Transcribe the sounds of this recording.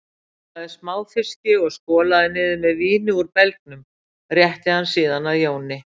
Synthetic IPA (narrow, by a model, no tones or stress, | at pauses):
θaðɪsmaːwfɪscɪɔɣskɔːlaðɪnɪːðɪmɛðviːnɪuɾpɛlk̚nʏm | rjɛht̪ɪhansiːðanaðjoːwnɪ